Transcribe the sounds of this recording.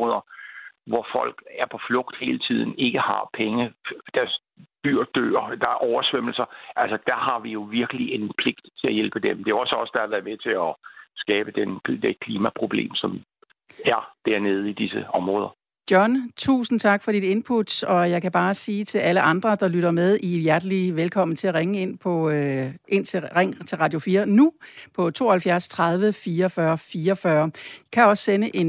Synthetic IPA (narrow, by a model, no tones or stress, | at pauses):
ɔðˠɐʋɒfɒ̽l̰ɡ̥æɐpʰɒ̽flɔ̽ɡ̥̚d̥he̝ːlət͡sʰið̞̰ˠn̩e̝ɡ̥əhɑ̈pʰeŋəd̥æɐs | b̥yɐ̰d̥ø̰ːɐd̥ɑ̈æɐʔɒʊɐsʋem̰l̩sɐʔælsɐd̥æ̈ɦɑ̈ʋijo̝ʋiɐɡ̥əlie̝npʰle̝ɡ̥̚d̥t͡sʰe̝læjelb̥əd̥emd̥e̝æɒ̽səɒ̽səd̥ɑ̈hɑ̈ʋæːɐmet͡sʰe̝ɒsɡ̥ɛːb̥əd̥end̥ekʰliːmæpʰʁo̝b̥le̝̰ːmsɒ̽m | æɐd̥æɐ̰ne̝ːð̞̩ˠid̥isəɒ̽mʁɔ̽ːðˠɐ | d̥jɒ̽nt͡sʰṵːsn̩t͡sʰɑ̈ɡ̥fɒ̽did̥e̝npʰud̥sɒ̽jɑ̈ɪkʰæb̥ɑ̈ːsiːt͡sʰe̝lʔæləʔɑ̈nd̥ʁɐd̥ɑ̈lyɾ̥ɐmeð̞ˠʔijæɐd̥əliʋelkʰɒ̽m̰n̩t͡sʰe̝læʁeŋəe̝n̰pʰɒ̽ʔe̝n̰t͡sʰe̝ʁɛŋ̰t͡sʰe̝lʁɑ̈d̥jo̝fiːɐnupʰɒ̽t͡sʰo̝ːɐhælfjæɐst͡sʰʁɑ̈ð̞ˠʋəfiːɐfɶɐfiːɐfɶːɐkʰæɒ̽sə̥senəʔe̝n